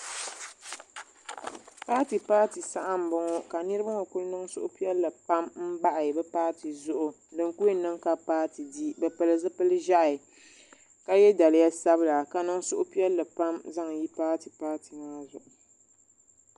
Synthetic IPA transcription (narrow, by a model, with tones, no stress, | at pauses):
paː˦ti˨paː˦ti˨sa˦ʔa˦m̩˨bɔ˦ŋɔ˦ka˨nɨ˦ɾɨ˦ba˦ŋɔ˨ku˦nɨ˦ŋsʊ̰˦ʔʊ˦pi˦ɛ˦lːɨ˨pa˦mm̩˦ba˦ʔa˨bɛ˦paː˦ti˨zʊ˦ʔʊ˨ | dɨ˨ŋku˦jnɨ˦ŋka˨paː˦ti˨di˦bɛ˨pɨ˨lɨ˨zɨ˦pɨ˦lɨ˦ʒa˦ʔa˨ɪ˨ | ka˦jɛ˦da˨lɪ˨˦ja˦sa˦bɨ˦la˨ka˨nɨ˦ŋ˦sʊ˦ʔʊ˦pi˦ɛ˦lːɨ˨pa˦mza˦ŋ˨ji˦paː˦ti˨paː˦ti˨maː˦zʊ˨ʔʊ˨